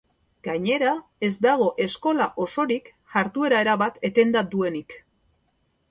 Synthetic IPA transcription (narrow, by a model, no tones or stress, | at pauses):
ɡ̥aɲe̞ɾae̞zd̪aɣ̞o̞ʔe̞sko̞laʔo̞so̞ɾik | ʝaɾt̪ue̞ɾae̞ɾaβat̪e̞t̪e̞nd̪ad̪ue̞nik